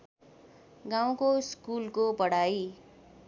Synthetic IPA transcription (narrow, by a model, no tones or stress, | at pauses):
ɡãw̃koskulkopʌɽaj